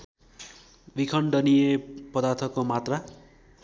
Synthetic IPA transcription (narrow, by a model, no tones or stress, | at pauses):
bikʰʌɳɖʌnijepʌd̪art̪ʰʌkːomat̪ra